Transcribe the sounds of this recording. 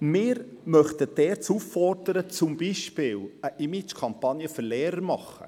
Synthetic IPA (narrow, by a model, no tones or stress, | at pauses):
mɪːɾ | mœχt̪ədɛːɾt͡sufːɔrdəɾət͡sʊmbiʃpɪːləʔimit͡ʃkʰɑmpɑnjəfɵɾlɛːɾəɾmɑχːə̰